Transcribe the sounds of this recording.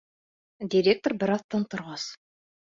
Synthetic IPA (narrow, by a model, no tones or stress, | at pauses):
dʲiɾʲek̚t̪orbɘɾɑθt̪ːɑnt̪ŏɾʁɑs